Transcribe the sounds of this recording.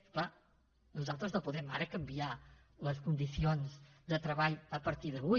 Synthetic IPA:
kla | nuzalˠt̪ɾznõwpuðɛmaɾəkɐmbia | ləskund̪isionzd̪ət̪ɾɐβaʎəpɐɾt̪iɾðəβu

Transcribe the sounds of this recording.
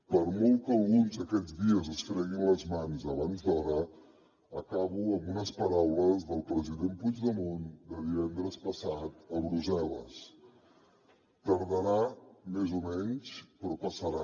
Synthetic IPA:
pəɾmɔlˠt̪əlˠɣunzd̪əkɛd͡zdiəzəsfɾɛɣinləzmanzəβanzd̪ɔɾə | əkaβuəmbunəspəɾawləzðəlˠpɾəziðempud͡ʒðəmond̪əðiβɛnd̪ɾəspəsat̪əβɾuzɛlə̰s | t̪əɾðəɾamezumɛɲspɾɔpəsəɾa

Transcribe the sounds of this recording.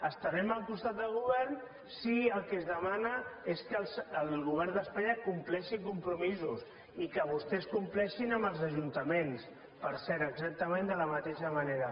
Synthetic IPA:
əst̪əɾɛməlˠkust̪at̪̚d̪əlˠɣuβ̞ɛɾn | siəlˠkezðəmanəeskəlsəlɣuβ̞ɛɾnd̪əspaɲəkumplɛʃikumpɾumizus | ikəβ̞ust̪ɛskumplɛʃinəməlˠzəʒunt̪əmens | pəɾsɛɾəɡzak̚t̪əmẽnd̪ələmət̪eʃəməneɾə

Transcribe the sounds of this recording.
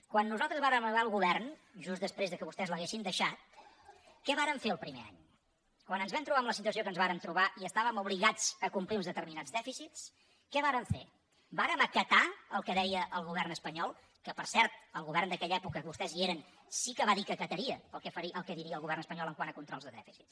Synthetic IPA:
kwanːuzalˠt̪ɾəzβaɾəməaəlˠɣuβɛrnʒusd̪əspɾezðəkəβust̪ɛzləɣesind̪əʃat̪̚ | kɛβaɾəɱfeəlˠpɾimḛa̰ɲ | kwanənzβɛmt̪ɾuβaəmləsit̪uəs̬iokənzβaɾəmt̪ɾuβaʔiəst̪aβəmuβliɣad͡zəkumpliunzðət̪əɾminad͡zðɛfisits | kɛβaɾəɱfḛ | baɾəməkət̪aəlˠkəðɛjəʔəlˠɣuβɛrnəspəɲɔlˠ | kəpəɾsɛɾt̪̚əlˠɣuβɛrnd̪əkɛʎɛpukəβust̪ɛzieɾən | sikəβaðikəkət̪əɾiəəlˠkɛfəɾiəlˠkɛðiɾiəːlˠɣuβɛrnəspəɲɔlˠəŋkwanəkunt̪ɾɔlzðəðɛfisits

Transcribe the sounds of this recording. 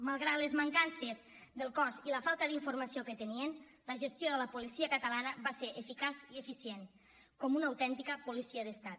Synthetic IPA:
malˠɣɾat̪lezmaŋkansezd̪əlˠkɔziləfalˠt̪əðiɱfuɾmasiokət̪ənien | ləʒəst̪joðələpulisiəkət̪əlanəβaseɾʔefikaziefisjen | kɔmunaːwt̪ɛnt̪ikəpulisiəðəst̪at̪

